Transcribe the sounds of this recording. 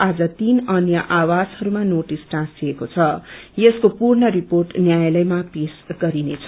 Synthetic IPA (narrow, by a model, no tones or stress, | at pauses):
ad͡zʌt̪inʌnjʌʔawashʌɾumanoʈisʈãsiekot͡sʰʌjeskopurɳʌɾiporʈnjajlʌjmapesɡʌɾinet͡sʰʌ